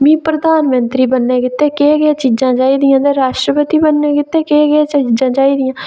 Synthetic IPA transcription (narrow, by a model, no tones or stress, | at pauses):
mĩːpɾəd̪aːnmənt̪ɾiːbənːeːkɪt̪ːeːkeːɡeaːt͡ʃiːd͡ʒãːt͡ʃaːiːd̪ɪjãːd̪eːɾaːʃʈɾəpət̪iːbənːẽːkɪt̪ːeːkeːɡeaːt͡ʃːd͡ʒãːt͡ʃaːiːd̪ɪjãː